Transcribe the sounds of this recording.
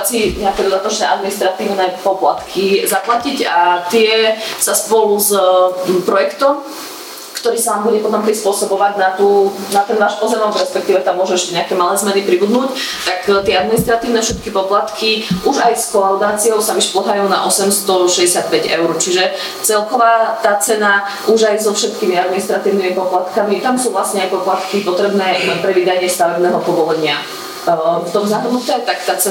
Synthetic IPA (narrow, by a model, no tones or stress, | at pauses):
t͡siɲɛakɛd̪ɔd̪at̪ɔt͡ʃnɛʔad̪minist̪ɾat̪iːʊnɛpɔplat̪kʰizaplacicat̪ɪɛsaspɔluz | pɾɔjɛkt̪ɔm | kt̪ɔɾiːsanaːmbuɟɛpɔt̪ɔmpɾispʊɔsɔbɔʋaɟnat̪uːnat̪ɛnʋaːʃpɔzɛmɔmɾɛspɛk̚t̪iːʋɛt̪amːʊɔʒuɛʃcɛɲɛakɛːmalɛːzmɛnipɾibud̪nuːct̪akt̪ɪɛad̪minist̪ɾat̪iːʊnɛfʃɛt̪kipɔplat̪kʰiʔuʒajskɔlaʊd̪aːt͡sijɔʊsaʋiʃplˠɔɦajuːna̰ʔɔsɛmst̪ɔʃɛɟɛsat̪̚pɛɟɛ̰ʊɾt͡ʃiʒɛ | t͡sɛlkɔʋaːt̪aːt͡sɛna | uʒajzɔfʃɛt̪kimiad̪minist̪ɾat̪iːʊnimipɔplat̪kamit̪amsuːʋlasɲɛajpɔplat̪kipɔt̪ɾɛbnɛːɛpɾɛʋid̪aɲɪɛst̪aʋɛbnɛːɦɔpɔbɔlɛɲɪa | ft̪ɔmzaɦrnut̪ɛːt̪akt̪aːt͡sɛ